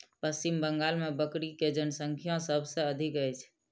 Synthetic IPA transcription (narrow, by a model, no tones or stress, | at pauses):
pəst͡ʃimbəŋɡalmebəkɾiked͡ʒənəsəŋkʰijõsəbʱsẽəd̪ʱikəjt͡ʃʰ